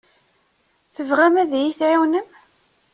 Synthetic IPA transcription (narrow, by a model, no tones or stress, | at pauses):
θəvʁæmæðjiθʕiwnəm